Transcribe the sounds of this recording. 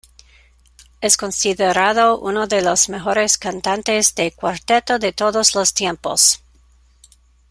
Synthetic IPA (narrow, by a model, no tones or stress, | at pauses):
eskonsiðeɾaðoʔṵnoðelosmexoɾeskant̪ant̪ezd̪ekwaɾt̪et̪oðet̪oðoslost̪jempos